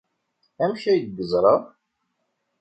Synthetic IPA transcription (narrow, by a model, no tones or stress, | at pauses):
æmçæjd̪ɡəzˤɾˤə